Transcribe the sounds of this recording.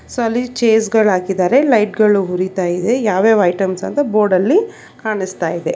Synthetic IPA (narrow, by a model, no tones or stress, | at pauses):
soɐlːit͡ʃeːs̬ɡɐɭɦaːkid̪aːɾe̞lɐjʈɡɐɭuɦuɾit̪aːjid̪e̞jaːʋeːʋɐjʈɐmsɐnt̪ɐbo̞ːɖɐlːi | kaːɳist̪aːjid̪e̞